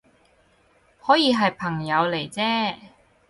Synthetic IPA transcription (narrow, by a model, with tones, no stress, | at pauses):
hɔː˨˥jiː˨˧ɦɐ˨jpʰɐ˨˩ŋjɐ˨˧wle˨˩jt͡sɛː˥